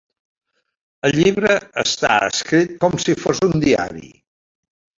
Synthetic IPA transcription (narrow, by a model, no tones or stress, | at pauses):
əlʎiβɾəəst̪a̰ə̰skɾit̪̚kɔmsifozund̪ia̰ɾḭ